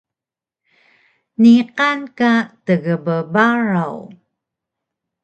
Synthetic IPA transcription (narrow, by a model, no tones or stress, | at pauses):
niqankatəɣəbəbaɹaw